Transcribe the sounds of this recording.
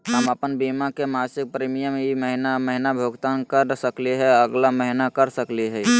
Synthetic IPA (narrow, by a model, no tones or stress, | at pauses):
ɦəməpənbimakemãːsɪk̚pɾiːmijəmjiməɦɪnaməɦɪnabʱoɡt̪aːnkəɾsəkliɦɛəɡlaməɦɪnakəɾsəkliɦɛ